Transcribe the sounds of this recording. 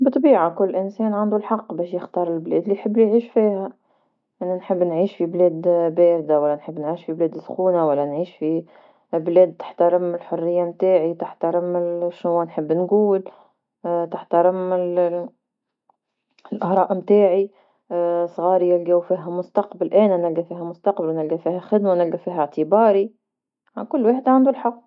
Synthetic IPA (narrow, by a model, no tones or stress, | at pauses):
bɨt̪ˤbiːʕakʊlːʔɪnsɛːnʕand̪ulħɑqːbɛːʃjɪxt̪ɑːɾˤɪlblɛːd̪liħəbːlijʕiːʃfiːhæ | ʔɪnænħɪbːnʕiːʃfiblɛːd̪bæːɾd̪awælːænħəbːnʕiːʃfiblɛːd̪sxuːnawælːænʕiːʃfi | blɛːd̪̚t̪ɪ̥ħt̪aɾɪmɪlħʊrːɪjːamt̪aːʕit̪ɪħt̪aɾɪmɪʃnʊwːænħəbːnɡuːl | t̪ɪħt̪ɑɾɪmɪl | ɪlʔɪhɾˤɑːʔmt̪aːʕi | sˤɣɑːɾijɪlɡæːwfiːɦæmʊst̪ɑqbalʔæːnænælɡæfiːɦæmʊst̪ɑqbalwnɪlɡæfiːhæxɪd̪manɪlɡæfiːɦæʕt̪ɪbɑːɾi | ʕakʊlːwaːħd̪aʕand̪ʊlħɑqː